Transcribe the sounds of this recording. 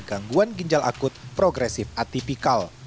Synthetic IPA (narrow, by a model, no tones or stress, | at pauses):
ɡaŋɡuanɡiɲd͡ʒalʔa̰kʊt̪̚pɾɔɡɾɛsɪfʔat̪ipikal